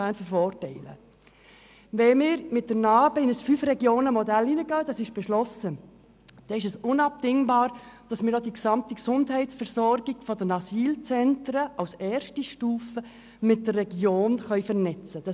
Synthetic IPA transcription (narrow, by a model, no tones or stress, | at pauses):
æːnfəɾfɔːrtɛɪlə̰ | ʋɛmɪːɾmɪt̚dənɑːbəɪnəsfyfrɛɡjoːnəmɔdælːinəɡœːd̥ɑsɪʃb̥ɛʃlɔsə | d̥ɛɪʃ̬ɛsʊnɑp̚dɪŋbɑːɾd̥ɑsmɪːɾdɔdiksɑmtiksʊndɦɛɪtsfɛɾsɔɾɡ̥iɡ̥fɔdənɑsiːlt͡sɛntɾəʔɑwsɛːɾʃtiʃtuːfə | mɪt̚dərːɛɡjoːnχœʏfəɾnɛt͡səd̥ɑ